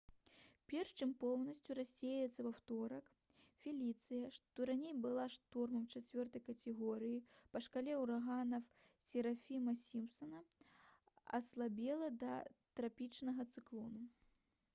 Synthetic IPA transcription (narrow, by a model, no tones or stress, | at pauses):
pʲɛrʂt͡ʃɨmpɔwnɐsʲt͡sʲurasʲejjɛt̪sɐvawt̪ɔɾɐk | fʲilʲit̪sɨjɐʂt̪ɔɾanʲejbɨlˠaʂt̪ɔrmɐmt͡ʂat͡sʲvʲɔrt̪ɐjkɐt̪ʲɛɣɔɾɨjipɐʂkalʲɛwɾaɣanɐf | sʲɛɾafʲimɐsʲimpsɐnɐ | ɐ̰slˠabʲɛlˠɐd̪ɐ̰t̪ɾapʲit͡ʂnɐɣɐt̪sɨklˠɔnu